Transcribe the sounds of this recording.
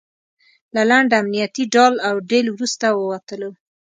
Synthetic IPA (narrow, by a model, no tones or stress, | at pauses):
lalaɳɖamnijat̪iɖɑlawɖelwɾust̪awəwat̪əlo